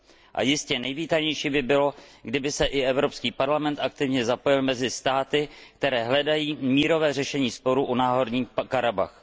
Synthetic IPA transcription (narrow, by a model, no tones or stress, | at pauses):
ʔa̰jɪscɛnɛjviːt̪aɲɛjʃiːbɪbɪlo̞ɡdɪbɪsɛʔɪɛvɾopskiːpaɾlamɛnt̪ʔak̚t̪ɪvɲɛzapo̞jɪlmɛzɪst̪aːt̪ɪk̚t̪ɛɾɛːɦlɛdajiːmiːɾo̞vɛːrɛʃɛɲiːspo̞ɾuʔunaːɦo̞ɾɲiːkaɾaba̰x